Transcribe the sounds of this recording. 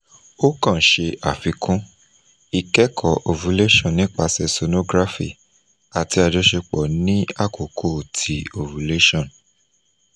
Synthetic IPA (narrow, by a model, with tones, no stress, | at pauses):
o˦kã˦˨ʃe˧a˨fi˨˧kʰũ˦ | i˧kɛ˦kʰɔ˦˨ʔo˨vu˨˦le˦ʃɔ̃˦˨nĩ˦k͡pa˧sɛ˧so˨˧no˦ɡɾa˦fḭ˦˨ | a˨ti˧a˧d͡ʒɔ˨˦ʃe˧k͡pɔ˨nĩ˦a˦˨ko˨kʰo˦˨tʰi˨o˨vu˨˦le˦ʃɔ̃˦˨n